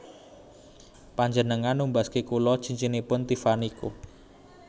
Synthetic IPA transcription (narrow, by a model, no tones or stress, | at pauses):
paɲd͡ʒənəŋanːumbaskekulɔ̥t͡ʃiɲt͡ʃinipʊnt̪ifaniku